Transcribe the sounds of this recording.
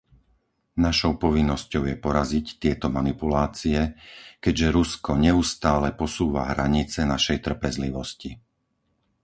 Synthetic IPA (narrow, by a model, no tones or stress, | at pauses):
naʃɔʊpɔʋinːɔscɔʊjɛpɔɾazict̪ɪɛt̪ɔmanipulaːt͡siɛkɛɟʒɛɾuskɔɲɛust̪aːlɛpɔsuːʋa̰ɦɾaɲit͡sɛnaʃɛjt̪r̩pɛzliʋɔsci